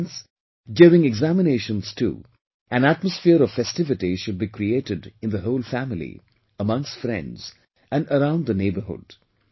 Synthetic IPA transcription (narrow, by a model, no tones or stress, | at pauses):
ns | djuɾɪ̃ŋɛɡzæmɪneɪʃə̃nz̥tʰṵ | ʔæ̃næt̚məsfɪəɾɔv̥fɛstɪvɨtiʃʊd̚bikʰɾieʈɨdɪ̃nðəɦoʊlfæmɪlḭ | əmʌ̃ŋstfɾɛ̰̃ndz̥ | æ̃nəɾãʊ̃ndðəneɪbəhʊ̰d̥